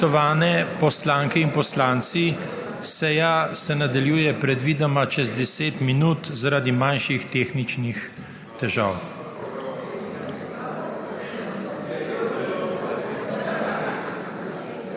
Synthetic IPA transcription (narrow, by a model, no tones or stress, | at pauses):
ɔʋaːnɛpɔslaːŋkɛinpɔslaːnt̪si | sɛjasɛnad̪aljuːjɛpɾɛd̪ʋiːd̪amat͡ʃɛzd̪ɛseːt̪minuːt̪zaɾad̪imanʃixt̪eːxnit͡ʃnix | t̪ɛʒa̰ːw